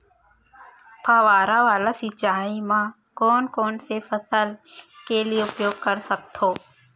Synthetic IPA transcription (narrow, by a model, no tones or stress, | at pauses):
pʰaʋaːɾaʋaːlasɪt͡ʃaːimã | kɔːnkɔːnsefʰəsəlkelieʊpjoːɡkəɾsək̚t̪ʰoː